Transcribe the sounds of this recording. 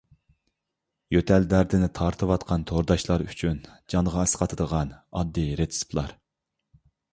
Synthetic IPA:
jøt̪ʰæld̪æɾd̪ɪnɪt̪ʰɑɾt̪ʰɨwɑt̪qʰɑnt̪ʰoɾd̪ɑʃlˠɑɾy̰t͡ʃʰynd͡ʒɑɴʁɑɛsqɑt̪ʰɨd̪əʁɑnɑd̪ːiɾet̪ʰsu̥plˠɑ̰ɾ

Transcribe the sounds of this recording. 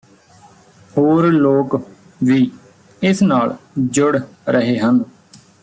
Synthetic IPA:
hoːɾloːk | ʋiː | ɪsnaːld͡ʒʊɽɾʔəɦeːɦən

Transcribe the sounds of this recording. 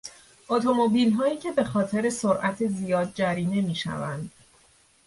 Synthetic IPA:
ʔot̪ʰo̞mo̞biːlɦɒːjiːcʰe̞be̞xɒːt̪ʰe̞ɾe̞so̞ɾʔæt̪ʰe̞zijɒːd̪̚d͡ʒæɾiːne̞miːʃæ̰vænd̪̥

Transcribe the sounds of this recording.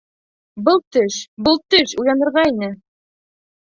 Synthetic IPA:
bɤlˠt̪ɵʃbɤlˠt̪ɵʃuj̪ˠɑnɤ̆ɾʁɑinɘ

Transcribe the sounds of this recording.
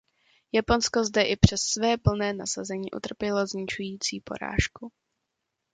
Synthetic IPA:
japo̞nsko̞zdɛʔɪpr̝̥ɛsːvɛːpl̩nɛːna̰sazɛɲiːʔṵt̪r̩pjɛlozɲɪt͡ʃujiːt͡siːpo̞̰ɾa̰ːʃku

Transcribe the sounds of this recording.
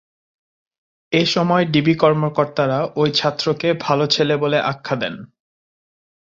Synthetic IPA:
eʃɔmɔeɖibikɔɾmokoɾt̪aɾaojt͡ɕʰat̪ːɾokebʱalot͡ɕʰeleboleʔakʰːad̪ɛn

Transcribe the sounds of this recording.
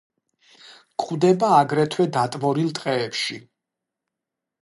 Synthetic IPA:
kʰʼχwd̪ɛbaːɡɾɛt̪ʰwɛd̪at̪ʼvɔɾilˠt̪ʼqʼɛːpʃi

